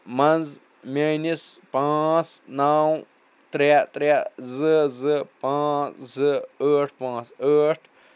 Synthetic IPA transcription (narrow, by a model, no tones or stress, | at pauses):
mɐnz | mʲenispãːsnaw | t̪ɾɛt̪ɾɛzɨzɨpãːszɨəːʈpãːsəːʈʰ